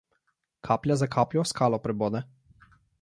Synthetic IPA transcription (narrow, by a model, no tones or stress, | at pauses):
kʰaːplʲjazakʰaːpljɔskʰaːlɔpɾɛboːd̪ɛ